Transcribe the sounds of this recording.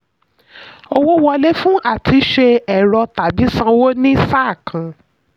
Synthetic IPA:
o˧wo˦wɔ˧le˦fũ˦ʔa˦˨ti˧˦ʃe˧ɛ˨ɾɔ˧ta˨bi˨˦sã˧wo˦nĩ˦sa˦˨kʰã˨

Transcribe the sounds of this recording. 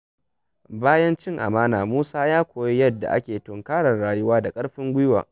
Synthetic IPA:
baː˦jɐ˦nt͡ʃɪ˦ŋʔa̰˨maː˦naː˨muː˦saː˦jaː˦kʷoː˨ji˦jɐ˦dːa̰˨ʔa̰˦kʲeː˨tʊ˨ŋkaː˦ɽɐ˨rɽaː˨jʊ˦waː˦da˨kʼɐ˦ɽɸɪ˦ŋɡʷʊ˦jwa̰ː˨

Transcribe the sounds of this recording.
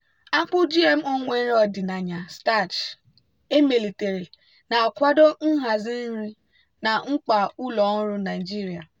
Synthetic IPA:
a˦k͡pʊ˦d͡ʒi˦e˦m̩˦o˦ŋʷe˦n˦ɔ˦˨dɪ˨na˨ɲa˨sta˦˨t͡ʃ | e˦me˨li˨te˨ɾi˨ | na˨a˨kʷa˦do˦ŋ̩˦ɦa˨zɪ˦n̩˦ɾi˦ | na˨ŋ͡m̩˦k͡pa˨u˦lɔ˨˦n̩˦ɾʊ˦na˨i˨d͡ʒi˦ɾi˨a˨

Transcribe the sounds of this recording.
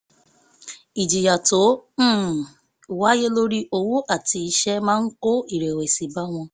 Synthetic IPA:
i˨d͡ʒi˨ja˨to˨˦˨ | wa˨˦je˦lo˦ɾi˦ʔo˦wu˦ʔa˦˨ti˧i˧˦ʃɛ˦mãː˦n̩˦ko˦i˦˨ɾe˨we˨si˨ba˦w̃ɔ̃˧

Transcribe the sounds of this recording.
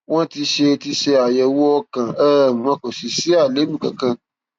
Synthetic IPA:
w̃ɔ̃˦ti˧ʃe˧ti˧ʃe˧a˨jɛ˨wo˦ɔ˧kã˨ɛ˦˨ã˧˦ko˨si˨si˦a˦˨le˨˦bu˦˨kã̰˨kã˧

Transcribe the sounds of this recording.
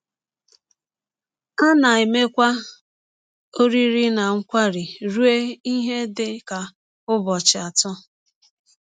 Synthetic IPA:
a˦na˨e˨me˦kʷa˦ | o˦ɾi˦ɾi˦na˨ŋ̩˦kʷa˦ɾi˨ɾu˦e˦i˦ɦe˦dɪ˦ka˨ | ʊ˦bɔ˨t͡ʃɪ˨a˨tɔ˦

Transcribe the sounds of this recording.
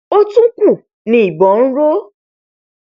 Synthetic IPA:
o˦tũ˦ku˦˨ | nĩ˦i˦˨bɔ˨˦ñ̩˦ɾo˦

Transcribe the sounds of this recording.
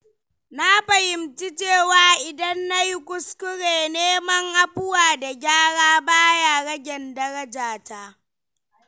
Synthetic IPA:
na˦ɸɐ˨jɪ˨mt͡ʃi˦t͡ʃeː˦˨waː˨ʔɪ˨dɐ˦nːa˦ji˦kʷʊ˦skʊ˦ɽeː˨neː˦mɐ˦ŋʔa˦ɸʊ˦waː˨da˨ɡʲaː˦ɽaː˦baː˦ja˦˨ɽɐ˦ɡʲɛ˨ndɐ˦ɾɐ˦d͡ʒaː˨taː˦

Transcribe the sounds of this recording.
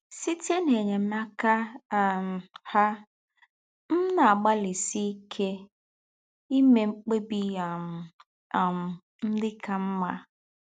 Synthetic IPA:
si˦te˦ne˨ɲe˨˦ma˦ka˦˨m˨ha˦ | m̩˦na˨a˨ɡ͡ba˦li˨si˦kʰe˦ | i˦me˨ŋ͡m̩˦k͡pe˦bi˦a˨ | m̩˨ | n̩˦dɪ˦kʰa˦m̩˦ma̰˦

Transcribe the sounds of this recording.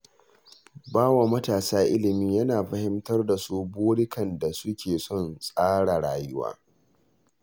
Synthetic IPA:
baː˦wa˨mɐ˦taː˨saː˦ʔɪ˦lɪ˨miː˦jɐ˦naː˨ɸɐ˦hɪ˦mtɐ˦rda˨su˦boː˦ɽɪ˦kɐ˨nda˨sʊ˦kʲeː˨sɔ˦˨nsʼaː˦ɽa˨ɽaː˦˨jʊ˦wa̰ː˦

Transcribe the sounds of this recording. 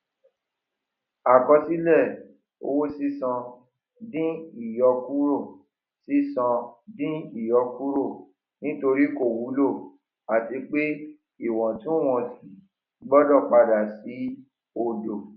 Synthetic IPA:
a˨kɔ˧si˦lɛ˦˨ | o̰˧wo˦si˦sɔ̃˧ | dĩ˦i˦˨jɔ˧ku˦ɾo˦˨ | si˦sɔ̃˧dĩ˦i˦˨jɔ˧ku˦ɾo˦˨ | nĩ˦to˧ɾi˦ko˦˨wu˨˦lo˦˨ | a˨ti˧k͡pe˦ | i˦˨w̃ɔ̃˨tũ˦˨w̃ɔ̃˧fi˨˦ | ɡ͡bɔ˦dɔ˦˨k͡pa˧da˨si˨˦ | o˨do˨

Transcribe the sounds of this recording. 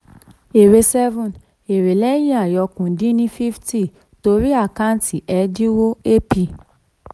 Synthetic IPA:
e˨ɾe˧sɛ˦vũ˨n | e˨ɾe˨lɛ˦j̃ĩ˦a˨jɔ˧kũ˨dĩ˦nĩ˦fi˦fti˦˨ | to˧˦ɾi˦a˦˨ka˦n˦ti˨ʔɛ˨˧di˦wo˦e˦pi˧˨

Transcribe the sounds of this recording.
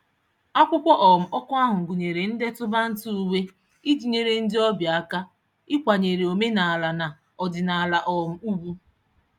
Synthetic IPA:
a˦kʷʊ˦kʷɔ˦ʔɔ˨m̩˨ɔ˦kʷʊ˦a˦ɦʊ˨ŋ̩˨ɡu˨ɲe˨ɾe˨n̩˦de˦tʊ˦ba˦n̩˦tu˦u˦we˦ | i˦d͡ʒi˨ɲe˨ɾe˨n̩˦dɪ˦ɔ˦bja˦ka˦ | ɪ˦kʷa˨ɲe˨ɾe˨o˨me˦na˨a˨la˨na˨ | ɔ˨dɪ˨na˨a˨la˨ʔɔ˨m̩˨u˦ɡu˦

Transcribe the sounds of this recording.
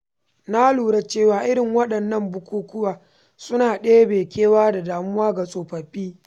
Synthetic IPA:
na˦luː˨ɽa˦t͡ʃeː˦˨waː˨ʔɪ˦ɾɪ˨ŋwɐ˦ɗɐ˨nːɐ˦mbʊ˦kʷuː˦kʊ˦waː˨ | sʊ˦naː˨ɗeː˦beː˨kʲeː˦waː˦da˨daː˨mʊ˦waː˦ɡa˨sʼoː˨ɸɐ˨ɸiː˦

